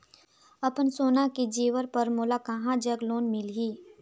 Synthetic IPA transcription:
ɐpənsoːnaked͡ʒiːʋəɾpəɾmoːlakaɦãd͡ʒəɡloːnmɪlɦiː

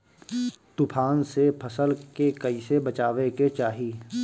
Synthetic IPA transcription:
t̪ʊpʰaːnsepʰəsəlkekəisebɐt͡ʃaːʋeket͡ʃaːɦiː

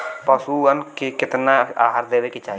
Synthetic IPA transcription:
pəsuːənkekɪt̪naaːɦaɾd̪eːʋekit͡ʃaː

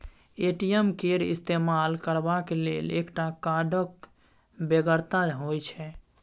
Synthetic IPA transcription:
eʈijemkeɾḭst̪emalkəɾbakelḛlekʈakaɖək | beɡəɾt̪aɦojt͡ʃʰɛ

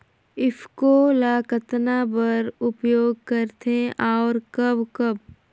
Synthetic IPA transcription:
ɪpʰkolaːkət̪nabəɾʊpjoːɡ̚kəɾt̪ʰẽʔaːɾkɐbkəb̚

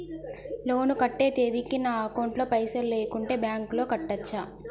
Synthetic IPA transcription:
lo̞ːnukɐʈːe̞ːt̪eːd̪ikːinaːɐkɐwɳʈlo̞ːpɐjsɐɾle̞ːkuɳʈe̞ːbjaːŋklo̞ːkɐʈːɐt͡ʃːaː

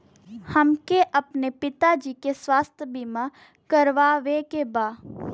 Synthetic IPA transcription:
hɐmkeʔɐpnepɪt̪ad͡ʒiːkesʋaːst̪ʰjəbimã | kəɾʋaʋekebaː

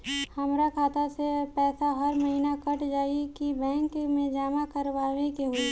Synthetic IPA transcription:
hɐmɾakʰaːt̪asepɛːsaɦəɾməɦinakəʈʰd͡ʒaːikibɛ̃ːŋkmẽd͡ʒaːmakəɾʋaːʋekeɦoi

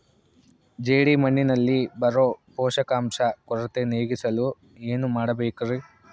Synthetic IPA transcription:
d͡ʒeːɽimɐɳːinɐlːibɐɾoːpoːʃɐkaːmʂɐkɔɾɐt̪eneːɡisɐlu | eːnumaːɽɐbeːkɐri

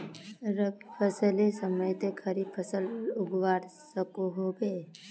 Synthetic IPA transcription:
ɾəɡipʰəsəlesəməjt̪ekʰɐɾipʰəsəlʊɡʋaːɾsəkoɦobeː

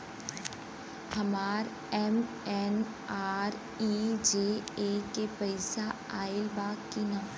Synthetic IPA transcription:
hɐmaːɾ | ɛm | ɛn | aːɾ | id͡ʒeːeːkepɐɪsa | aːɪlbaːkkinã

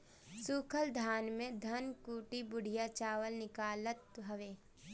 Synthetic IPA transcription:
suːkʰəld̪ʱaːnmẽd̪ʱɐnkuːʈibʊɽ̤ijat͡ʃaːʋəlnɪkaːlət̪̚ɦɐʋeː

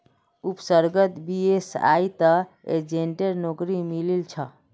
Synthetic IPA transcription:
upsəɾɡət̪biesa̰it̪ə | ḛd͡ʒeɳʈeɾnokɾimililt͡ʃʰə

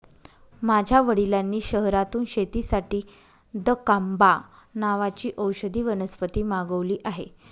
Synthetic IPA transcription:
mad͡ʑʱjaʋəɽilanːiːɕəɦɾat̪uːnɕet̪iːsaʈiː | d̪əkamba | naʋat͡ɕiːʔəwɕəd̪ʱiːʋənəspət̪iːmaɡəʋliːʔaɦe

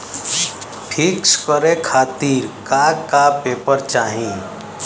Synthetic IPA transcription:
pʰikskəɾekʰaːt̪iːɾkakapeːpəɾt͡ʃaːɦĩ

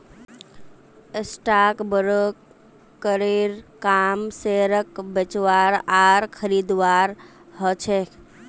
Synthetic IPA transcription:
esʈakbəɾəkː | əɾeɾkaːmseɾəkbət͡ʃʋaːɾaːɾkʰəɾiːd̪ʋaːɾ | ɦət͡ʃʰe

